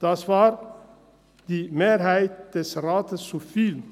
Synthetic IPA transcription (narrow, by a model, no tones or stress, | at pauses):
d̪̥ɑːsʋɑːɾ | d̪̥iːmeːɾhæɪt̪əsɾɑːt̪ʰəsufil